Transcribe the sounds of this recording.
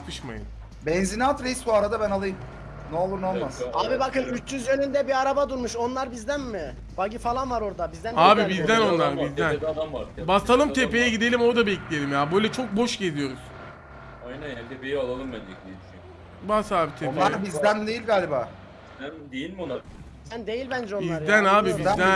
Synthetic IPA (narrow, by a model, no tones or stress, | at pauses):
lɯʃma̰jɯ̰n | bɛnzinat̪ɾejisbuaɾad̪abænalˠɯjɯm | neo̞lˠuɾnolˠmasaːbibakɯnyt͡ʃt͡ʃyzjø̞nynd̪ɛbiaɾabad̪uɾmuʃo̞nlˠaɾbizd̪ænmɪ | b̥aɟifalˠanvaɾo̞ɾd̪abizd̪ænaːbibizd̪æno̞nnlˠaɾbizd̪ænad̪amvaɾbasalˠɯmt̪ʰepe̞jɛɟid̪e̞lʲimo̞ɾd̪abɛclʲije̞lʲimjaːbø̞jlʲɛt͡ʃʰok̚bo̞ʃɟe̞zijo̞ɾuz̥ | ajnanjant̪ʰepejialˠalˠɯmbændeklʲieʃi | basaːbit̪ʰeaɾbizd̪ænd̪ejilʲɡaːlʲibaː | ænd̪ejilʲmona | sænd̪e̞jilʲbænd͡ʒɛonb̪izɾd̪ænaːbibizd̪æ